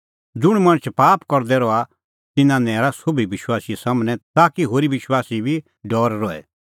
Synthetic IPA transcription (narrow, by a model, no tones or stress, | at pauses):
d͡zʊɽ̃mɐ̃ñət͡ʃʰpaːpkɔɾd̪ɛɾɔa | t̪ɪnãnɛːɾasʊbʱiʋɪʃwaːsisamnɛt̪aːkiɦoːɾiʋɪʃwaːsibʱi | ɖɔːɾɾɔːɛ̰